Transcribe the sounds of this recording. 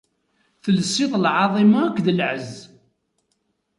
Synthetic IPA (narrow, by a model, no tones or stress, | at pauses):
θələsːiðˤlʕɑðˤimɑːkʷːðəlʕəz